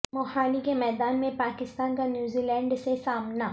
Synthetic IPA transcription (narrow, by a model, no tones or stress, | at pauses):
mɔːhaːlikemɛːd̪aːnmẽpaːkɪst̪aːnkanjuːziːlɛ̃ːɳɖsesaːmnaː